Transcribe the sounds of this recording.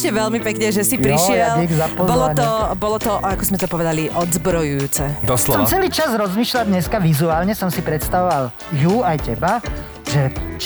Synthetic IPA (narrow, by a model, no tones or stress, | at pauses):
ʃcɛʋɛʎmipɛkɲɛʒɛsipɾiʃɪɛlapɔzbɔlɔt̪ɔbɔlɔt̪ɔʔakɔzmɛt̪pɔʋɛd̪aliʔɔd̪zbɾɔjujuːt͡sɛd̪ɔslɔsɔmt͡sɛliːt͡ʃazɾɔzmiːʃlad̪ɲɛskaʋizuaːlɲɛsɔmsipɾɛt̪st̪aʋɔʋal | juːajcɛba | ʒɛt͡ʃ